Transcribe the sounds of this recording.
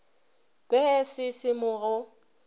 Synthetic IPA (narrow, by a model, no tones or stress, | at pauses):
b̥ɛɛsɪsɪmʊːɣɔ